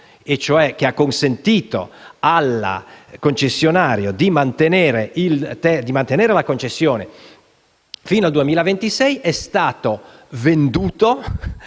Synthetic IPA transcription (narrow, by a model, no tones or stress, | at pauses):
et͡ʃːoɛk̟eakːonsent̪iːt̪o̰alːa̰kont͡ʃesːjonaːɾjod̪imant̪eneːɾeilt̪ɛd̪imant̪eneːɾelakont͡ʃesːjoːne | fiːnoald̪uemiːlavent̪isɛjʔɛst̪aːt̪ovend̪uːt̪o